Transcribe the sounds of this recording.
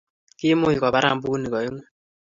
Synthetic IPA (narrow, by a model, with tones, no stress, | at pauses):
kɪ˦mʊ˦i˨kɔ˨ba˦ɾa̰˦˨m˦bu˦ni˨kɔ˨e˦ŋwɛ˦